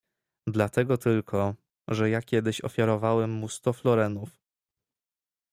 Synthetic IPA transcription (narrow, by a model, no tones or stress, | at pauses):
d̪lat̪ɛɡɔt̪ʰɘlkʰɔ | ʐɛjakʲɛd̪ɘɕɔ̰fʲjaɾɔvawɛmːust̪ɔflɔɾɛnuf